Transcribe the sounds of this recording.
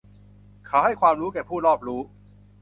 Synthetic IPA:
kʰaː˨˩ha˥˩jkʰwaː˧mɾuː˦˥kɛː˨˩pʰuː˥˩lɔː˥˩p̚ɾuː˦˥

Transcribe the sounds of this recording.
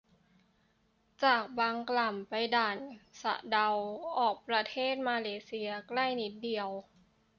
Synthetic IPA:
t͡ɕaː˨˩k̚baː˧ŋkla˨˩mpa˧jdaː˨˩nsa̰˧˩ʔda˧wʔɔː˨˩k̚pɾa˧t̪ʰeː˥˩t̪̚maː˧leː˧si˧ɐkla˥˩jni˦˥t̪̚di˧˩əw

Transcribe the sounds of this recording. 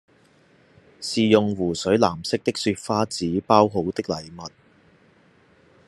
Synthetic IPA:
siː˨jʊ˨ŋwuː˨˩sɵ˨˥ɥlaː˨˩msɪ˥k̚t̪ɪ˥k̚syː˧t̚faː˥t͡siː˨˥paː˥wɦo˨˥wt̪ɪ˥k̚lɐ˨jmɐ˨t̚

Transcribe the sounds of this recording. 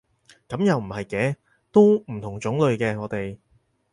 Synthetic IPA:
kɐ˨˥mjɐ˨wm̩˨˩hɐ˨jkɛː˨˥ | t̪o˥wm̩˨˩t̪ʰʊ˨˩ŋt͡ʃʊ˨˥ŋlɵ˨˧ɥkɛː˧ŋɔː˨˧t̪e˨j

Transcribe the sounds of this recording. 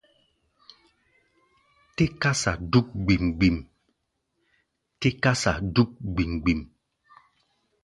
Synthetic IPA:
te˦ka˦sa̰˨du˦k̚ɡ͡bi˨mɡ͡bi˨m | te˦ka˦sa˨du˦k̚ɡ͡bi˨mɡ͡bi˨m

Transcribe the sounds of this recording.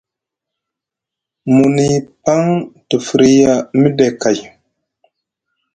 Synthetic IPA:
mu˨ni˨pa˦ŋtu˨fɾi˦ja˦mi˦de˨ka˨j

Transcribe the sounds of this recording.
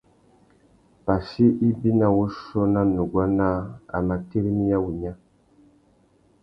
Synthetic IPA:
pa˨si˦ʔi˦bi˦na˦wo˦ʃɔ˦na˦nu˨ɡwa˦na˦a̰˨ma˨te˦ɾi˦mi˦ja˦wu˨ɲa˦

